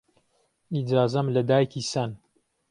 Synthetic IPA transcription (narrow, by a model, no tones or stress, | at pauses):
id͡ʒaːzɐmlɐd̪aːjkʰisɐn